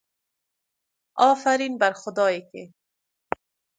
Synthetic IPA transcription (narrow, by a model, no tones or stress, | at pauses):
ɔːfaɾiːnbaɾxʊd̪ɔːekḛ